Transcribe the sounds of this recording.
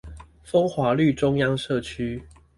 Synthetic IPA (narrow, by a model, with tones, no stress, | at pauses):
fə˦ŋxwa˨˦ly˥˨ʈ͡ʂʊ˦ŋjɑ˥ŋʂɤ˥˨t͡ɕʰy˦